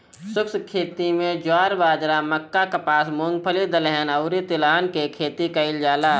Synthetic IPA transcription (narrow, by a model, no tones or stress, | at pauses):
sʊkskʰeːt̪imẽd͡ʒwaːɾbaːd͡ʒɾaməkːakɐpaːsmõŋɡ̚pʰəlid̪əlɛɦɛnɐʊɾit̪ɪlaːnkekʰeːt̪ikaɪld͡ʒaːlaː